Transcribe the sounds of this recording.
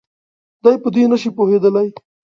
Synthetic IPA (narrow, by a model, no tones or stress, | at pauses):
d̪ajpəd̪inɐʃipoɦed̪əlaj